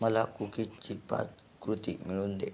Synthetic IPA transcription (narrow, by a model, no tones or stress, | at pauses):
məlakukit͡ɕipa̰t̪ | kɾut̪imiɭuːnd̪e